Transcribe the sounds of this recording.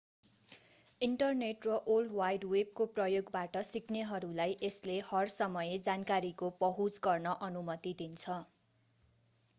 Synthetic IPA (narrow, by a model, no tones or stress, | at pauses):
iɳʈʌrneʈrʌʔolɖwajɖweb̚koprʌjoɡbaʈʌsikneɦʌɾulajʔeslehʌrsʌmʌjed͡zankaɾikobʌɦut͡sɡʌrnʌʔʌnumʌt̪id̪int͡sʰʌ